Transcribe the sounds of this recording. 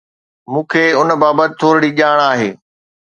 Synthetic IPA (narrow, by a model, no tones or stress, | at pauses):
mũːkʰeːʊn̆baːbət̪ɪt̪ʰoːɾɽiːʄaːɽ̃aːɦḛː